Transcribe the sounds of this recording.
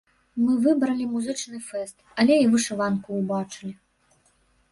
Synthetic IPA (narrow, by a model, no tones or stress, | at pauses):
mɨvɨbɾɐlʲimuzɨt͡ʂnɨfɛst̪ɐlʲɛivɨʂɨvankuːbat͡ʂɨlʲi